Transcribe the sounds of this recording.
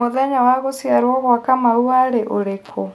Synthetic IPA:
oðaɲawaɣosiaɾwɔɣwakamauaɾeʔoɾekʰɔ

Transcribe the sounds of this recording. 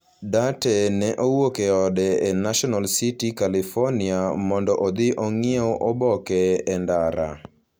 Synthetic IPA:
datɛnɛʔowokɛɔdɛenaʃɔnalsitikalifɔniamɔndɔʔod̪ɪʔoŋioʔobɔkɛɛndaɾa̰

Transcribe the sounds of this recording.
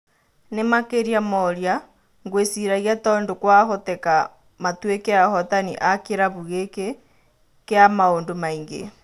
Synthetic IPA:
nemakeɾiamɔɾja | ŋɡwesiɾaɣiatɔːndokwaɦotɛka | matwekeahɔtanḭʔakeɾaβuɣeke | keamaondomaiŋɡḛ

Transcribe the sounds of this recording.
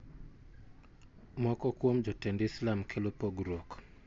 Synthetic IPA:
mɔkɔkwomd͡ʒɔtɛndislamkʰelopoɡɾok

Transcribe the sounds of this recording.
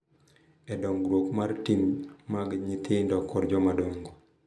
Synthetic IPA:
ɛdɔŋɡɾwokmartimmaɡɲit̪ʰɪndɔkːɔɾd͡ʒɔmadɔŋɡo

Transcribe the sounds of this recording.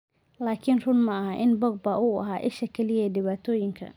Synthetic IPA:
laːkʰɪnrʊnmɐɐɦaʔɪnbɔɡ̚bɐʔʊɐ̰ɦaːʔɪʃɐkʰɛlɪjɛːɖɪβaːt̪ʰɔːjɪŋkʰɐ̰

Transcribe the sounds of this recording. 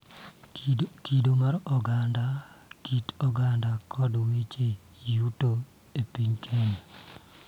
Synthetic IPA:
kidomaɾɔɡandakitɔɡandakʰɔdwet͡ʃe | juto | epiɲkʰene

